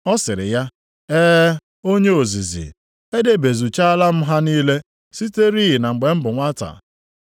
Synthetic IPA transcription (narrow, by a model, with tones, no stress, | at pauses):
ɔ˦sɪ˨ɾɪ̰˨ja˦ | eː˦ | o˦ɲe˦o˨zi˨zḭ˨ | e˦de˨be˨zu˨t͡ʃa˦a˦la˦m̩˦ɦa˦niː˦le˦ | si˦te˦ɾi˦ji˨na˨ŋ͡m̩˨ɡ͡be˨m̩˦bʊ˨ŋʷa˦ta̰˨